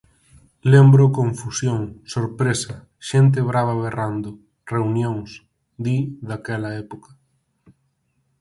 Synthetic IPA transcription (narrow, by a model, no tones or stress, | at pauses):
lembɾʊkõɱfusjoŋsoɾpɾesɐ | ʃent̪̬ɪβɾaβɐβerand̪ʊ | reunjõŋs | d̪iðakɛlɐɛpokɐ̥